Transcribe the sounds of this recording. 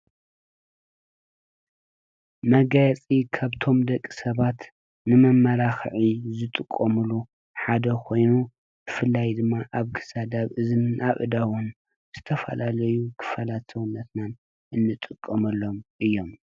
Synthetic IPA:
mɐɡajɐt͡sʼikʰaβt̪ʰo̞md̪ɐkʼːisɐβat̪ | nɨmɐmːɐɾaxʕizɨt̪ʼɨkʼːomulu | ħad̪ɐkʰo̞jnu | b̥ɨfɨlːajd̪ɨmːaʔaβkʰɨ̥sad̪aβɨzɨnɨnʔaʔʼɨd̪awun | z̥ɨt̪ʰɐfɐ̰lalɐjukʰɨ̥fɐlat̪sɐwɨnːɐt̪nan | ʔɨnːɨt̪ʼɨkʼːɐmɐlːo̞mʔɨjːo̞m

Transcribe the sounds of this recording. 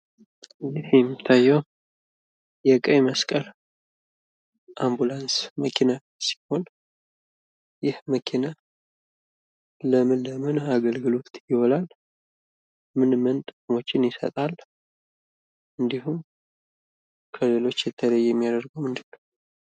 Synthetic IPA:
jɪhjɛmːit̪ʰːajːɛw | jɛkʼəjməskʼəl | ʔambulansməkʰina | si̥ho̞n | jɪhməkʰina | ləmɨnləmɨnaɡəlɡɨlo̞t̪jɪho̞lal | mɨnmənt̪ʼɨkʼmo̞t͡ʃːɪnjɪsə̰t̪ʼal | ʔɨnd̪iɦum | kʰəle̞lo̞t͡ʃːjɛt̪ʰːələjːɛmːijad̪əɾɡowmɨnd̪ɨnːəw

